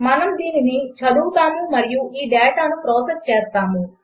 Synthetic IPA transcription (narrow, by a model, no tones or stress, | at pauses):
mɐnɐmd̪iːninit͡ʃʰɐd̪uːt̪aːmumɐɾɪjuʔiːɖɛːʈaːnupɾoːsɐst͡ʃeːst̪aːmũ